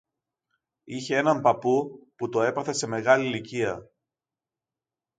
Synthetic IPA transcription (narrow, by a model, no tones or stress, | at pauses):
içe̞e̞nɐmpɐpuput̪o̞e̞pɐθe̞se̞me̞ɣɐliliciɐ